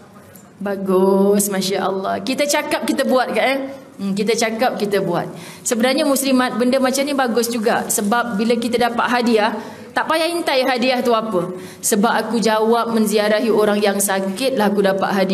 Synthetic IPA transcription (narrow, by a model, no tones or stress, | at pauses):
baɡʊsmãʃaʔəlˠːɑhkit̪ət͡ʃakap̚kit̪əbuat̪̚kaʔə | m̩kit̪ət͡ʃakap̚kit̪əbua̰t̪̚ | səbənarɲəmuslimat̪̚bəndəmat͡ʃamɲibaɡʊsd͡ʒuɡasəbap̚biləkit̪ədapa̰ʔ̪ɦadiah | t̪aʔpajaint̪ajɦadiaht̪uapə | səbap̚akud͡ʒawap̚mə̃nziaɾaɦioɾaŋjaŋsakɪt̪̚laɦakudapa̰ʔ̪̚ɦadi